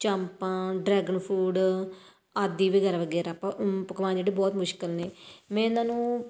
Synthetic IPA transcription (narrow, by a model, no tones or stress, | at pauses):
t͡ʃəmpãːɖɾɛːɡənpʰuːɖ | aːd̪iːʋiɡəɾʋəɡɛːɾaːpapəkʋãːnd͡ʒeːɽeːbɔːt̪mʊʃkəlneːmɛ̃ːnãːnũː